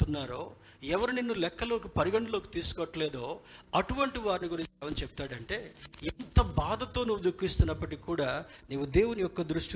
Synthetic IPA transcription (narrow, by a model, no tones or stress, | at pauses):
t̪unːaːɾoː | ɛʋɐɾininːulɛkːɐlo̞ːkipɐɾiɡɐɳɖɐlo̞ːkit̪iːsu̥kɔʈːɐleːd̪o̞ːɐʈuʋɐɳʈiʋaːɾiniɡuɾiɲt͡ʃɛʋɐnt͡ʃepu̥t̪aːɽɐɳʈe̞ːint̪ɐbaːd̪ʱɐt̪o̞ːnuʋud̪ukːist̪unːɐpːɐʈikʲːkːuːɽaːneːʋud̪e̞ːwunijɔkːɐd̪ɾuʂʈi